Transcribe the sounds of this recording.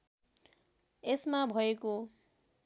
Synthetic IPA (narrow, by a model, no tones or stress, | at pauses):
esmabʱʌeko